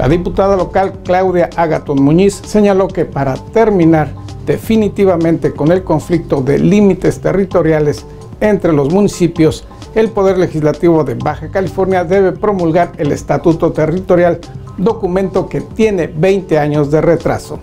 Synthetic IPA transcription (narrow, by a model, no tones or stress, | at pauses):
lʔa̰ðiput̪aðalo̞kalklawðjaʔaɣa̰t̪onmũɲisːe̞ɲalo̞ke̞paɾat̪e̞ɾmĩnaɾ | d̪e̞finit̪iβamẽ̞nt̪e̞ko̞ne̞lko̞ɱflik̚t̪o̞ðe̞̰limit̪e̞st̪e̞rit̪o̞ɾjale̞s | e̞nt̪ɾe̞lo̞zmũnisipjo̞s | e̞lpo̞ðe̞ɾle̞xizlat̪iβ̞o̞ðe̞βaxakalifo̞ɾnjaðe̞βe̞pɾo̞mulɣaɾe̞le̞̰st̪at̪ut̪o̞t̪e̞rit̪o̞ɾjal | d̪o̞kumẽ̞nt̪o̞ke̞t̪je̞ne̞βejnt̪e̞aɲo̞zðe̞ret̪ɾa̰so̞̰